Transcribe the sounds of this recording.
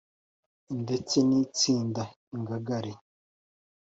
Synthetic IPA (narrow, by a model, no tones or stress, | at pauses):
indet͡seniːt͡siːnda | iŋɡaɡaɾe